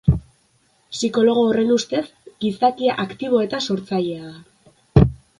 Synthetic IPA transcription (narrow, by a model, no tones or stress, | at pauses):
siko̞lo̞ɣ̞oːre̞nust̪e̞sɡisakiaʔakt̪iβ̞o̞e̞t̪aso̞ɾt͡saʎe̞aða